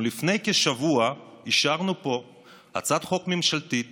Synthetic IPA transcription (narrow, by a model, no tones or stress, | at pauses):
lifne̞jkeʃavua | iʃaʁnupo̞ | ha̰t͡sad̪χo̞kmemʃalt̪i